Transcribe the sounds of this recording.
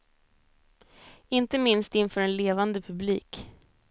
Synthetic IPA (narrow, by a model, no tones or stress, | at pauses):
ɪnt̪əmɪnst̪ɪnːfœːɾɛnleːvand̪əpʰɵblḭːk